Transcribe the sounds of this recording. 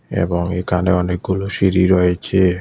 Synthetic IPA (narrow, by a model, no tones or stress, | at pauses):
ḛbɔŋekʰaneɔnek̚ɡuloʃiɾiɾɔet͡ʃʰe